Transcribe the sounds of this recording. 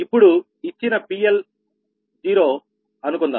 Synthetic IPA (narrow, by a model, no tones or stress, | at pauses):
ipːuɽu | it͡ʃːinɐpiːjel | d͡ʒiːɾo̞ː | ɐnukund̪a̰ː